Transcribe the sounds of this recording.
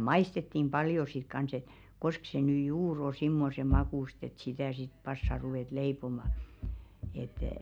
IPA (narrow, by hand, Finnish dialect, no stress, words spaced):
mɑistetːim b̥ɑljo sit kɑns et kosk se ny juːr o simːose mɑkuˑst et sitæˑ sit pɑsːɑ ruʋeˑt leipomɑ et